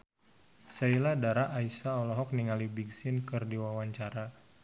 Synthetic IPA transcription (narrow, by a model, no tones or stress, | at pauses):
sailadaɾaʔːisaːlɔɦɔk̚niŋalibiɡsɪnkɨrdiwawaɲt͡ʃaɾa